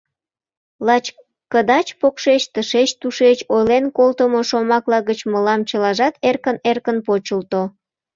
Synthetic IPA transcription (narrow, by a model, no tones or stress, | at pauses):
lɑt͡ɕ | kəd̪ɑt͡ɕpokʃet͡ɕt̪əʃet͡ɕt̪uʃet͡ɕojlenkolt̪əmoʃomɑklɑɣət͡ɕməlɑmt͡ɕəlɑʒɑt̪erkənerkənpot͡ɕəlt̪o